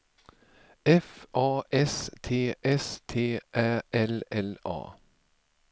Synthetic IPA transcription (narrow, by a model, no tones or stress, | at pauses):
ɛfʔɑːʔɛst̪ʰeːʔɛst̪ʰeːʔæʔɛlɛlɑ̰ː